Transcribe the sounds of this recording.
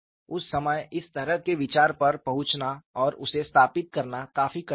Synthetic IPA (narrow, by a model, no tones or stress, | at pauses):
ʊsːɐməjɪst̪ɐɾəɦkeʋɪt͡ʃaːɾpɐɾpɐɦʊ̃t͡ʃnaɔːɾʊ̰sest̪ʰaːpɪt̪̚kɐɾnakaːfikɐ